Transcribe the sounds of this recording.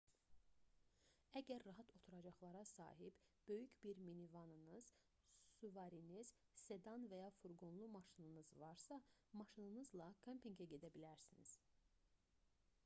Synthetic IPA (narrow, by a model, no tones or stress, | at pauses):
æɟæɾːɑɦɑt̪ʰo̞t̪ʰuɾɑd͡ʒɑχlˠɑɾɑsɑ̰ːɦibb̥ø̞jycbiɾminivɑnɯnɯz̥ | suvɑɾiniz̥ | se̞d̪ɑnvæjɑfuɾɡonlˠumɑʃɯnɯnɯzvɑɾsɑmɑʃɯnɯnɯzlˠɑkʰømpiŋɟæɟe̞d̪æbilæɾsinḭz̥